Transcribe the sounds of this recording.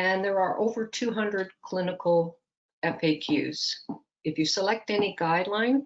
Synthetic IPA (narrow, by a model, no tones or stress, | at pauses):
ɨ̃nðə˞ə˞ʔoʊvə˞tʰʉɦʌ̃ndɹɨd̚kʰl̥ɪ̃nəkʰl̩ˠ | ɛpeɪkʰj̥ʉ̰z̥ | ɨfjɨsəlɛk̚tɛniɡaɪdˡlãɪ̃n